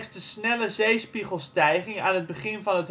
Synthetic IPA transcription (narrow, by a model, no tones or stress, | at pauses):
sdəsnɛləzejspiχəlˠstɛjχɪŋaːnɦəd̚bəχɪnvɑnət